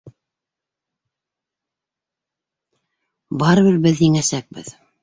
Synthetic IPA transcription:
bɑɾɤβɘɾbɘðiŋæsæk̚bɘ̰ð

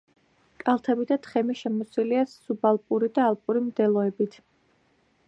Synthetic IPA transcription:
kʼalˠt̪ʰɛbid̪at̪ʰχɛmiʃɛmɔsiliasubalˠpʼuɾid̪aːlˠpʼuɾimd̪ɛlˠɔɛbit̪ʰ

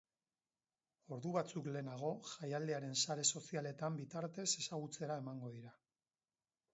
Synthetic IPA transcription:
o̞ɾðuβat͡sukle̞ːnaɣ̞o̞ʝajald̪e̞aɾe̞nsaɾe̞so̞siale̞t̪ambit̪aɾt̪e̞se̞saɣ̞ut͡se̞ɾae̞maŋɡo̞ðiɾa

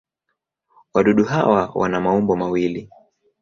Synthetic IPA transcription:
waɗuɗuɦawawa̰namaumbɔmawili

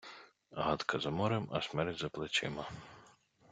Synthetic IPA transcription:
ɦɑd̪kʰɐzɐmɔɾɪmɐ̰smɛɾtʲzɐplˠɪt͡ʃɪ̰mɐ

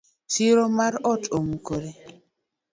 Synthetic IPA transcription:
siɾomaɾɔtomukoɾe

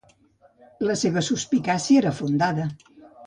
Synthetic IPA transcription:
ləseβəsuspikasieɾəfund̪aðə

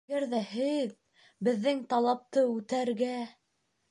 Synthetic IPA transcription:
æɾðæhɘð | bɘ̆ðːɘŋt̪ɑlˠɑp̚t̪ɤʉt̪æɾɡæ

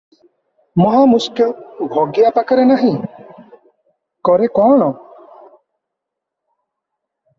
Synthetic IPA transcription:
mɔɦamuskilbʱɔɡjapakaɾɛnaɦĩ | kɔɾekɔːɳ̃ɔ

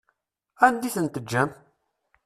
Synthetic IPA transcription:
ænd̪iθənt̪əd͡ʒːæm

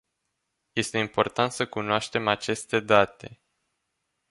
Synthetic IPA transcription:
je̞st̪e̞impo̞rt̪ant̪səkunoaʃt̪e̞mat͡ʃe̞st̪e̞d̪at̪e̞

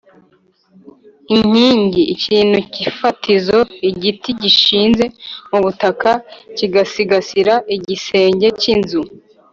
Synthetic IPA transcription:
iɲ̥iːɲɟiːcʰiːn̥ucifatʰizo̞iɟitiɟiʃiːnze̞muβutakaciɡasiɡasiɾaiɟise̞ːɲɟe̞cinzu

